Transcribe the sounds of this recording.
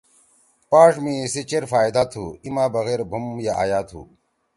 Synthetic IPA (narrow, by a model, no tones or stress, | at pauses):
paːʂmĩsit͡ɕeɾfaːjd̪aːt̪ʰṵːimaːbɐɣeːɾbʱumjaa̰ːjaːt̪ʰṵː